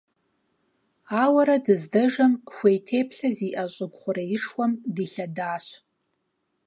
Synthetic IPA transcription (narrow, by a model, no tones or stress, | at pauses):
awaɾadɨzdɐʐamxʷejtʰeːjpʰɬaziʔaɕʼɪɡʷχʷʊraɪʂwamdiɬadaːʃ